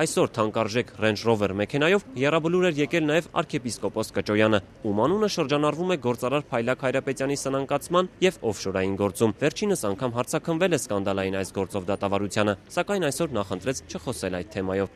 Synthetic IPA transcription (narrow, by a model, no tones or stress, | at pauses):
ɑjsɔɾt̪ʰɑŋkɑɾʒɛkʰrɛnd͡ʒrɔvɛrmɛkʰɛnɑjɔvjɛrɑbəluɾɛɾjɛkɛlnɑjɛvɑ̰ɾkʰɛpiskɔpɔskət͡ʃɔjɑnə | umɑnunəʃəɾd͡ʒɑnɑɾvumɛɡɔɾt͡sɑɾɑɾpʰɑjlɑkʰhɑjɾɑpɛt̪jɑnisənɑŋkɑt͡sʰmɑnjɛvɔvʃɔɾɑjinɡɔɾt͡sumvɛɾt͡ʃʰinəsɑŋkʰɑmɦɑɾt͡sʰɑkʰənvɛlɛskɑn̪d̪ɑlɑjinɑjsɡɔɾt͡sɔvd̪ɑt̪ɑvɑɾut͡sʰjɑnəsɑkɑjnɑjsɔɾnɑχənt̪ɾɛt͡sʰt͡ʃʰəχɔsɛlɑjd̪̚t̪ʰːɛmɑjɔv